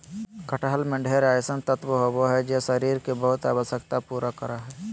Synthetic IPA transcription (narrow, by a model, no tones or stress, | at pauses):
kəʈəɦəlmẽɖʱeːɾaːjsənt̪ət̪ʋəɦoboɦɛd͡ʒesəɾiːɾkebəɦʊt̪a̰ːʋəʃjəkt̪apuːɾʔakəɾaɦɛː